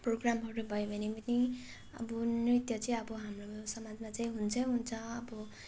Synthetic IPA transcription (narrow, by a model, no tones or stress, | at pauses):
proɡramɦʌɾubʱʌebʱʌnepʌni | ʌ̰bʌnrit̪jʌt͡sʌĩʌbʌɦamroosʌmad͡zmat͡saĩɦunt͡sʰʌɦunt͡sʰʌʌbʌ